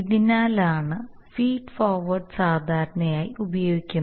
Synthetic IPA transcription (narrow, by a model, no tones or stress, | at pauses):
iðinaːlaːɳɨ | fiːɖfoːrʋɐrɖɨsaːd̪ʱaːɾɐɳɐjaːjiubɐjo̞ːɡikʲːunː